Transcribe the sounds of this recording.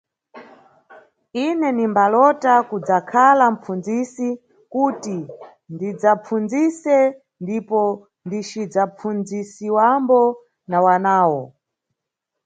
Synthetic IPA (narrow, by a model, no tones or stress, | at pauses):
inɛnimbalɔtakud͡zakʰalam̩p͡fund͡zisi | kuti | ndid͡zap͡fund͡zisɛ | ndipɔ | ndit͡ʃid͡zap͡fund͡zisiwambɔ | nawanaːwɔ